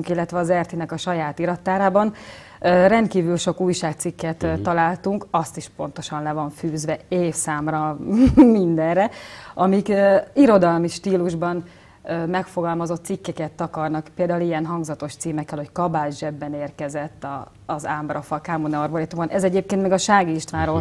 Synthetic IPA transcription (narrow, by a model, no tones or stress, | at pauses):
uŋkilːɛt̪ʋɛɒzɛrt̪inɛkɒʃɒjaːt̪iɾɒt̪ːaːɾaːbɒn | ørɛnt̪̚kiːvylʃo̞kuːjʃaːk̚t̪sikːɛt̪t̪ːɒlaːlt̪uŋkɒst̪iʃpo̞̰n̪t̪o̞ʃɒnlɛvɒɱfyːzʋɛeːfsaːmrɒmind̪ɛnrɛɒmikːiɾo̞d̪ɒlmiʃt̪iːluʒbɒn | ømɛkfo̞ɡɒlmɒzo̞t̪ːsikːɛkɛt̪ːɒkɒrnɒkpeːld̪aːulijɛnɦɒŋɡzɒt̪o̞ʃt̪siːmɛkːɛlho̞ckɒbaːd͡ʒʒɛbːɛneːrkɛzɛt̪ːɒː | zaːmbrɒfɒkaːmonɛɒrboɾet̪umɒnʔɛzɛɟeːpkeːnt̪mɛɡɒʃaːɡiːʃt̪ʋaːɾoː